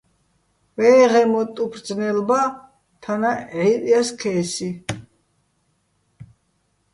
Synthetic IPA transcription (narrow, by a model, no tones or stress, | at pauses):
vɛːʁɛmɔt̪ʼupʰɾd̪d͡znɛlba | t̪ʰanaʕit̪ʼjaskʰɛːsi